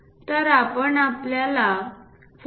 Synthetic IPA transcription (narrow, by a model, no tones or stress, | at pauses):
t̪əɾapəɳapljala | f